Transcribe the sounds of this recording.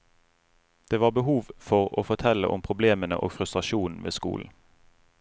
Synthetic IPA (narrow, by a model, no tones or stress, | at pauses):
d̪̥eːʋɑːbəhuːʋfɔʁo̰ːfɔt̪ʰɛləʔʊ̰mpʰʁʊbleːmənə̰ʔo̰ːɡfʁʉst̪ʁɑʃuːn̩ʋḛːskṵːln̩